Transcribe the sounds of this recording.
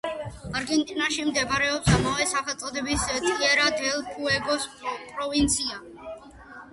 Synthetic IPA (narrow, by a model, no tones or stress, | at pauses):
aɾɡɛnt̪ʼinaʃimd̪ɛbaɾɛɔpsamavɛsaχɛlˠt̪sʼɔd̪ɛbist̪ʼiɛɾad̪ɛlpʰuɛɡɔspʼɾɔvint̪sʰia